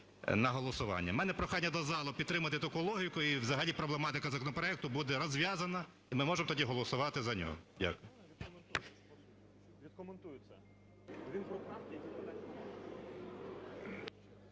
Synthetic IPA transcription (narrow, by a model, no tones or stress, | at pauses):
nɐɦɔlˠɔsʊʋɑ̰nʲːɐmɛnɛpɾɔxɑnʲːɐd̪ɔzɑlˠʊpʲid̪t̪ɾɪmɐt̪ɪt̪ɐkulˠɔɦʲikʊiʋzɐɦɐlʲipɾɔblˠemɑt̪ɪkɐzɐkɔnɔpɾɔɛk̚t̪ʊbud̪ɛɾɔzʲʋʲjɑzɐnɐ | imɪmɔʒemɔt̪ɔdʲiɦɔlˠɔsʊʋɑt̪ɪzɐnʲɔ̰ɦɔ̰dʲa̰kʊj | ʋʲid̪kɔment̪ujʊt͡sʲːɐ | ʋʲin